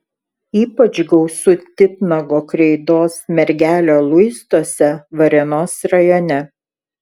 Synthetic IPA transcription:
iːpɐt͡ʃɡɒʊsʊt̪ʲɪp̪nɐɡoːkɾʲɛɪd̪oːsmʲɛɾʲɡʲæːlʲoːlˠʊɪst̪oːsʲɛʋɐɾʲɛnoːsɾɐjɔnʲɛ

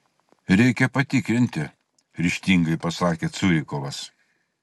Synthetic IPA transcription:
ɾʲɛɪkʲɛpɐt̪ʲɪkɾʲɪnʲt̪ʲɪ | ɾʲɪʃʲt̪ʲiːŋɡɐɪpɐsɑːkʲeːt̪sʊɾʲɪkɔʋɐs

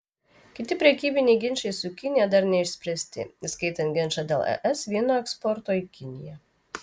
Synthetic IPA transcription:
kʲɪt̪ʲɪpʲɾʲɛkʲiːbʲɪnʲɛɪɡʲɪnʲʃɛɪsʊkʲɪnʲɪjɛd̪ɐɾnʲɛɪʃʲsʲpʲɾʲɛsʲt̪ʲɪ̰iskɐɪt̪ɐnt̪̚ʲɡʲɪnʲˑʃɑd̪ʲelˠɛ̰ʔɛsʋʲiɛnoːɛkspɔɾt̪oːikʲɪnʲɪjɛ

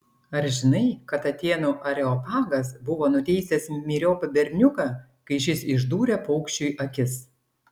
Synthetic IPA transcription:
ɐɾʒʲɪnɐɪkɐt̪ɐt̪ʲeːnuʔɐɾʲɛɔpɑːɡɐs̬bʊʋoːnʊt̪ʲɛɪsʲɛsmʲiːɾʲoːpɐbʲɛɾʲnʲʊkɑ | kɐɪʃ̬ʲɪsɪʒd̪uːɾʲɛpɐʊkʃʲt͡ʃʲʊjʔɐkʲɪs

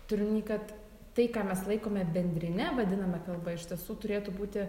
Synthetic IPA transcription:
t̪ʊɾʲɪnnʲiːkɐt̪ | t̪ɐɪkɑːmʲɛslˠɐɪkoːmʲɛbʲɛnʲd̪ʲɾʲɪnʲɛʋɐd̪ʲɪnɐmʲɛkɐlˠbɐɪʃʲt̪ʲiɛsuːt̪ʊɾʲeːt̪ʊbuːt̪ʲɪ

